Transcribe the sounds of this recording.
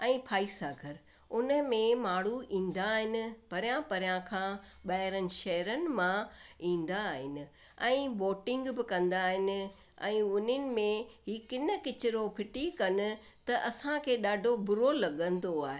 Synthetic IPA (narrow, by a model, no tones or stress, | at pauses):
ɛ̃ːpʰaːisaːɡʱəɾʊnə̆mẽmaːɽ̤uĩːn̆d̪aːɦɪnɪ̆pɐɾjãpɐɾɪjãkʰãːɓaːɦɪɾənɪ̆ʃɐɦɾənɪ̆mãĩːn̆d̪aɦɪnɪ̆ɛ̃ːboːʈɪ̃ŋɡbɪkɐ̃nd̪aːɦɪnɪ̆ɛ̰̃ːʊnənɪ̆mẽɦiːkɪnə̆kɪt͡ɕɪɾopʰɪʈikɐnʊ̆t̪ɐʔɐsãkʰeːɗaːɖʱobʊɾolɐɠə̃nd̪oaːɦe